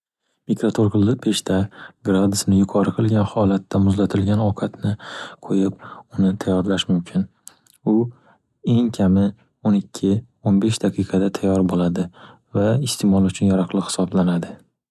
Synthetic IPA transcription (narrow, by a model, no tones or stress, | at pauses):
mikɾat̪ʰoɾqʰɨlˠːɨq̚be̞ʃt̪ʰaɡɾad̪ʊsnɪjʊqʰɒɾɨqʰɨlˠɡʲanhɒlat̪ːamʊzlat̪ʰɪlɡʲanɒwqʰat̪nɪqʰojɪp̚ʊnɪt̪ʰajːɒɾlaʃmʊmkʲʰɪn | ʊ | e̞ŋkʲʰamɪ | onɪkʲʰːɪ | onbe̞ʃd̪aqʰɨqʰɑd̪at̪ʰajːɒɾbolad̪ɪ | vaɪst̪ʰemɒlˠʊt͡ʃʰʊnjaɾɑqlˠɨqhɪ̥sɒblanad̪ɪ